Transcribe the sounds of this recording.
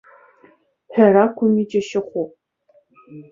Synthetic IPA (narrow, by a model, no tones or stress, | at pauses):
ħɐɾaːkʷʰʊmiːd͡ʒʼɐʃɪχʷʊ